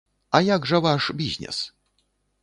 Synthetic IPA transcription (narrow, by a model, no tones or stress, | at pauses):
ajaɡʐɐvaʂbʲizʲnʲɛ̰s